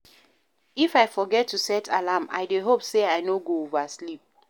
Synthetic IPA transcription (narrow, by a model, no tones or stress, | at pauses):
ifaɪfɔɡɛtːusɛtʰalama̰ɪdeɦopseaɪnoɡoovaslip̚